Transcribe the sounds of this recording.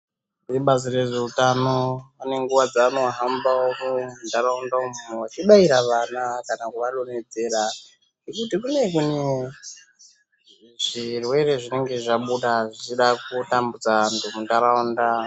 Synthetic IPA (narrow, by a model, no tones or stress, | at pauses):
iriɓazire̞ʐeutano̞ane̞ŋɡuʋad͡zaːno̞ɦambaokumundaɾaundaomun̤uwat͡ʃiɓaiɾaʋanakanakuʋaɗo̞ne̞d͡ze̞ɾa | ŋɡekutikune̞kune | ʐ̥irwe̞re̞ʐine̞ŋɡe̞ʐaɓuɗaʐit͡ʃiɗakutambud͡zaantʰumundaɾaunda